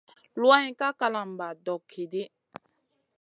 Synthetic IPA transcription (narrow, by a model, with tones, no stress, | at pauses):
lwa˦ĩ˦ka˦ka˧la˨m̩˨ba˨dɔ˨kʰːe˨de˦